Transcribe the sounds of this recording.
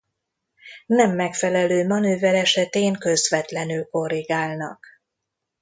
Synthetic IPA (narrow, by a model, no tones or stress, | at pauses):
nɛmːɛkfɛlɛløːmɒnøːvɛlɛʃɛt̪eːŋkø̞zvɛt̪lɛnylko̞riɡaːlnɒ̰k